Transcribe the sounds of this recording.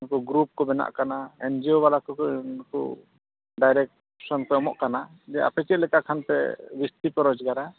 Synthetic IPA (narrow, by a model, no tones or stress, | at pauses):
kɔɡɾup̚kɔbɛna̰ʔkanaɛnd͡ʒioβalakɔkɔnkṵ | ɖajɾɛk̚ | sɔnpɛɔmɔ̰ʔkana | d͡ʒɛa̰pɛt͡ʃɛt̪̚lɛkaʔkʰanpɛ̰bist̪ipɔɾɔd͡ʒɡaɾa